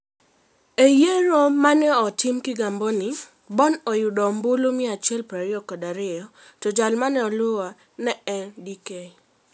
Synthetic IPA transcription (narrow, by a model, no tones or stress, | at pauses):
ejeɾomanɛɔtɪmkɪɡambɔnɪ | bɔnɔjʊdɔmbʊlomiɛat͡ʃɛlpɾaɾɪɔkɔdaɾɪɔ | tɔd͡ʒalmanɛɔlʊa | nɛɛndike